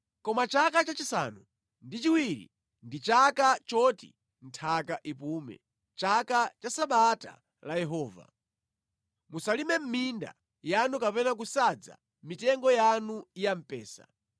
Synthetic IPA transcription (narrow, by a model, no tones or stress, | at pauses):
kɔmat͡ʃakat͡ʃat͡ʃisa̰ːnu | ndit͡ʃiwiɾḭ | ndit͡ʃakat͡ʃɔtḭ | n̩tʰakaʔipuːmɛ̰ | t͡ʃakat͡ʃasaɓata̰ | lajɛɦɔːva̰ | musalimɛm̩minda̰ | janukapɛnak̬usad͡za̰ | mitɛŋɡɔjanuijam̩pɛːsa̰